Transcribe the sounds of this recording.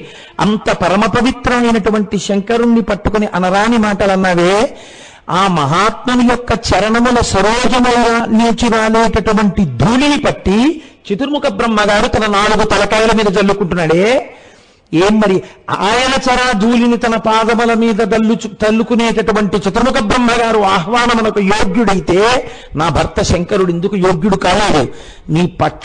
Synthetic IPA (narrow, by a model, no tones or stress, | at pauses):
ɐ̰nt̪ɐpɐɾɐmɐpɐʋit̪ɾɐmɐjnɐʈuʋɐɳʈiʃɐŋkɐɾunːipɐʈːukoniʔɐnɐɾaːnimaːʈɐlɐnːaːʋeː | aːmɐɦaːt̪̚mɐnujɔkːɐt͡ʃɛɾɐɳɐmulɐsɐɾɔːd͡ʒɐmɐjɡaːniːt͡ʃuɾaːleːʈɐʈuʋɐɳʈid̪ʱuːlinipɐʈːit͡ʃit̪uɾmukɐbɾɐmːɐɡaːɾut̪ɐnɐnaːɽuɡut̪ɐlɐkaːjɐlɐmiːd̪ɐd͡ʒɐlːukuɳʈunːaːɽeː | eːmmɐɾiaːjɐnɐt͡ʃɐɾaːd̪ʱuːlinit̪ɐnɐpaːd̪ɐmɐlɐmiːd̪ɐɐlːut̪ɐlːukune̞ːʈɐʈuʋɐɳʈit͡ʃit̪uɾmukɐbɾɐmːɐɡaːɾuaːɦʋaːnɐmɐnɐkujoːɡjuɽɐjit̪e̞ː | naːbʱɐɾt̪ɐʃɛŋkɐɾuɽe̞nd̪ukujoːɡjuɽukaːleːd̪ṵ | niːpɐ